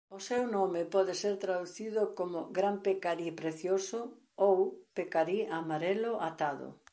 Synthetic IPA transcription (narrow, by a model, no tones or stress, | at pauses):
ʊsewnɔmɪpɔðɪseɾt̪ɾaðuθiðʊkomʊɡɾampekaɾipɾeθjosʊ | owpekaɾiamaɾelʊʔat̪aðʊ̰